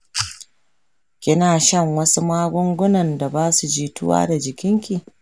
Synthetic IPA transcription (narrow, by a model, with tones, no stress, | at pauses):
kʲɪ˦naː˨ʃɐ˦ŋwɐ˦su˦maː˦ɡʷʊ˦ŋɡʷʊ˦nɐ˨nda˨baː˦su˨d͡ʒiː˦tʊ˦wa̰ː˦da˨d͡ʒɪ˨kʲɪ˦ŋkʲi˨